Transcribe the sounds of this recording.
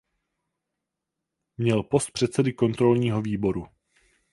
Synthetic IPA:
mɲɛlpo̞st̪̚pr̥ɛt̪sɛdɪko̞nt̪ɾo̞lɲiːɦo̞viːbo̞ɾu

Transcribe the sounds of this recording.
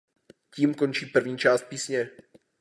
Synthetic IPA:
ciːmkont͡ʃiːpr̩vɲiːt͡ʃaːst̪̚piːsɲɛ

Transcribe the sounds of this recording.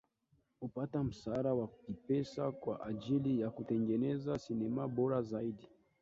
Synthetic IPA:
hupatam̩saɾawakipɛsakwaʔaʄilijakutɛŋɡɛnɛzasinɛmabɔɾazaiɗi

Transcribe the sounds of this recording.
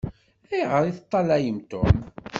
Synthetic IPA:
æjʁəɾiθət̪ˤːɑlæjəmt̪ʊ̰m

